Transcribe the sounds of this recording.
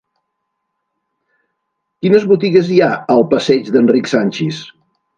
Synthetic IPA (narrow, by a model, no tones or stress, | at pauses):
kinəzβut̪iɣəziaəlˠpəsɛd͡ʒd̪ənriksanʲt͡ʃis